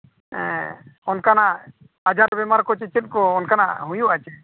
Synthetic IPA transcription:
ɛ̰ɔnkana | ad͡ʒaɾbɛmaɾkɔt͡ʃit͡ʃit̪̚kɔːnkana̰ɦujuat͡ʃɛ

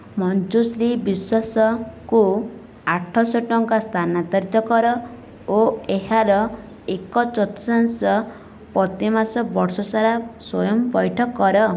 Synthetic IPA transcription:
mɔnd͡ʒusɾibiswasɔku | aʈʰɔsɔʈɔŋkast̪ʰanat̪aɾit̪ɔkɔɾɔ | oeɦaɾɔ | ekɔt͡ʃɔt̪ɔ̥sansɔ | pɔt̪imasɔbɔɾsɔsaɾaswɔjɔmɔbɔjʈʰɔkːɔɾɔ

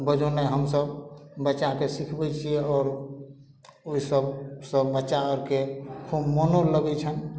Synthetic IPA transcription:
bəd͡ʒoneɦəmsəbbətːt͡ʃːakesikʰbɛt͡ʃʰieɔːɾ | oisəbsəbːətːʃaəɾkekʰubmonoləɡɛt͡ʃʰən

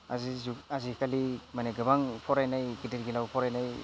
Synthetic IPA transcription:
azizuazikʰalimaneɡɯbaŋpʰɔɾajnajɡideɾɡilawpʰɔɾajnaj

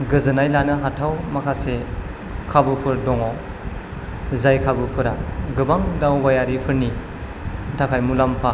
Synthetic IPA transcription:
ɡɯzɯnajlanɯɦatʰawmakʰase | kʰabɯpʰɯɾdɔŋɔ | zajkʰabɯpʰɯɾaɡɯbaŋdawbajaɾipʰɯɾni | tʰakʰajmulampʰa

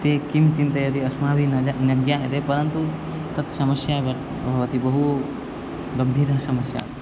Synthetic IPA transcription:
t̪eːkimt͡ʃint̪ɐjɐt̪iɐsmaːbʱinɐnɐɡjaːɐt̪epɐɾɐnt̪u | t̪ɐt̪sɐmɐsjaːɐ | bʱɐʋɐt̪ibɐɦu | ɡɐmbʱiːɾɦɐsɐmɐsja̰ːst̪e

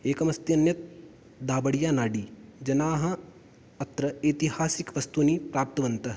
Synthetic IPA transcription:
eːkɐmɐst̪jɐnjɐt̪̚ | d̪ʱaːbɐɽijaːnaːɖiːd͡ʒɐnaːɦɐ̃ | ɐt̪ɾɐeːt̪ihaːsikʋɐst̪uniːpɾaːp̚t̪ɐʋɐnt̪ɐɦ

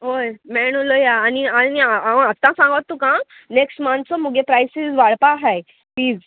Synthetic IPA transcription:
ɦojmɛɳ̃olojaːnianiaaəat̪ːãsãŋɡat̪ːũkã | neksʈmãnt̪t͡sɔmuɡepɾajsizʋaɽpaɦaj | pliːd͡z

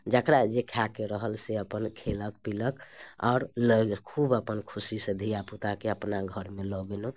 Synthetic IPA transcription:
d͡ʒəkɾad͡ʒekʰakeɾəɦəlseəpənkʰelək̚piləkɔ̰ːɾləkʰubəpənkʰusisẽd̪ʱijaput̪akeəpnaɡʱəɾmelɔɡeno

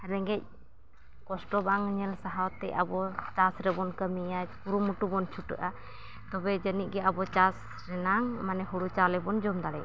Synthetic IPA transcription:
ɾɛŋɡɛc̚ | kɔsʈɔbŋɲɛlsaɦawt̪ɛ̰a̰bɔt͡ʃasɾɛbɔnkəmijapuɾumuʈubɔnt͡ʃʰuʈə̰ʔa | t̪ɔbɛd͡ʒənic̚ɡɛabɔt͡ʃas | ɾɛnaŋmanɛɦuɽut͡ʃalɛbɔnd͡ʒɔmd̪aɽɛ̰

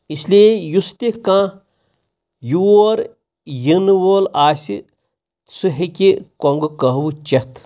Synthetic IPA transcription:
isleːjust̪ikãː | juoːɾ | jinʋoːlaːsʲi | sɨɦikʲikoŋɡɨkɐɦwut͡ʃɐt̪ʰ

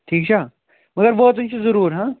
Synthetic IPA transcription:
ʈʰiːkt͡ɕʰa | mɐɡəɾbɔːɦt̪ʊnt͡ʃʰizɐɾuːɾɦãː

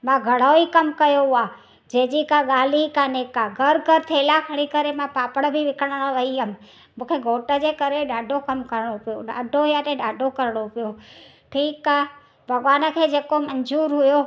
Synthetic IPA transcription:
mãɡʱəɽoikəmkəjoa | d͡ʒeːd͡ʑikãɠaːlikãneːkãɡʱəɾɡʱəɾt̪ʰeːlakʰəɽ̃ikəɾemãpaːpəɽ̃bʱiʋɪkəɽ̃əɽ̃ʋəiəm | mũːkʰeɡʱoːʈəd͡ʒekəɾeɗaːɖʱokəmkəɾɽ̃opijoɗaːɖʱoijaʈẽɗaːɖʱokəɾɽ̃opijo | ʈʰiːkaː | bʱəɡʋaːnəkʰeːd͡ʒeːkoməɲd͡ʒuːɾɦʊjo

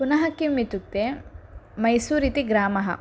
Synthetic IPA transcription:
punɐɦɐkːimːit̪uk̚t̪eːmɐjsuːɾit̪iɡɾaːmɐɦɐ̰

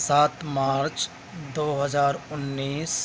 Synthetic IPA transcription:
saːt̪maːɾt͡ʃ | d̪oːɦəd͡ʒaːɾʊnːiːs

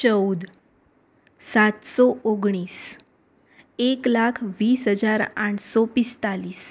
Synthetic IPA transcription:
t͡ɕəwd̪ | sat̪sɔʔoɡɳ̃iːs | eklakʰʋiːsɦəd͡zaɾaʈʰsɔpist̪aliːs

